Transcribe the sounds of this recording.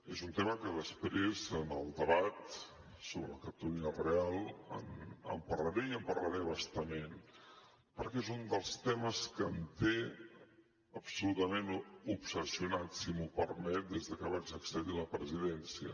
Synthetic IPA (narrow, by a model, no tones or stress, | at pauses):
ezunt̪eməkəðəspɾezənəlˠd̪əβat̪ | soβɾələkət̪uliərealˠə̰nə̰mpərləɾeiəmpərləɾeβast̪əmen | pəɾkɛezund̪əlˠst̪ɛməskənt̪e | əpsulut̪əmenupsəsiunatsimupəɾmɛt̪̚d̪ezðəkəβ̞ad͡ʒəksəðiləpɾəziðɛnsiə̰